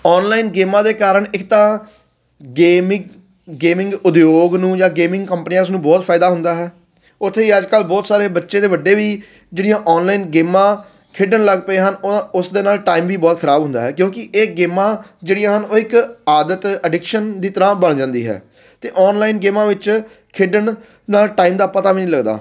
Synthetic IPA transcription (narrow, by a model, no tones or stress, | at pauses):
ɔːnlaːinɡeːmãːd̪eːkaːɾəɳɪkt̪ãː | ɡeːmɪ | ɡeːmɪ̃ŋɡʊd̪joːɡnũːd͡ʒãːɡeːmɪ̃ŋɡkəmpnijãːʊs̬nũːbɔːt̪fʰaːɪd̪aːɦʊnd̪aːɦɛː | ʊt̪ʰːeːiːəd͡ʒkəlbɔːt̪saːɾeːbətːʃẽːd̪eːʋəɖːeːʋiː | d͡ʒeːɽijãːʔɔːnlaːiːnɡeːmãː | kʰeɖəɳləɡpəeːɦənoʊsd̪eːnaːlʈaːiːmʋiːbɔːt̪kʰəɾaːbɦʊ̃nd̪aːɦɛːkjõːkɪʔeːɡeːmãːd͡ʒeːɽɪjãːɦənoːɪkaːd̪ət̪əɖɪkʃənd̪iːt̪əɾãːbəɳ̃d͡ʒãːnd̪ḭːɦɛ̰ː | t̪eːʔɔːnlaːinɡeːmãːʋɪt͡ʃ | kʰɪɖən | naːlʈaːiːmd̪aːpət̪aːʋiːnĩːləɡd̪a̰ː